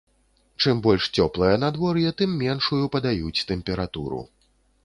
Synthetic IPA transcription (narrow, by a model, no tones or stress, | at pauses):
t͡ʂɨmbɔlʲʂt͡sʲɔplˠɐjɐn̪ad̪vɔɾjɛt̪ɨmːʲɛnʂujupɐd̪ajut͡sʲt̪ɛmpʲɛɾat̪ṵɾṵ